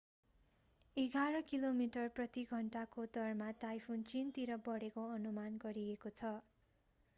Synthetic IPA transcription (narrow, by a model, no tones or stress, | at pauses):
eɡʱaɾʌkilomiʈʌrprʌt̪iɡʱʌɳʈakod̪ʌrmatajpʰunt͡sint̪iɾʌbʌɽekoʌnumanɡʌɾiekot͡sʰʌ